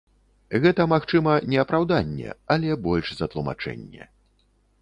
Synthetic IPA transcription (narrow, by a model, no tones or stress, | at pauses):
ɣɛt̪ɐmaxt͡ʂɨmɐnʲɛɐpɾawd̪anʲːɛ̰ɐlʲɛbɔlʲʂzɐt̪lˠuma̰t͡ʂɛ̰nʲːɛ̰